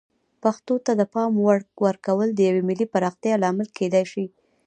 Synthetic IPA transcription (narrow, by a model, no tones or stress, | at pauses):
paxt̪ot̪ad̪əpɑmwwəɾkawəld̪əjawemɪlipaɾɑxt̪jɑlɑmɪlked̪ajʃi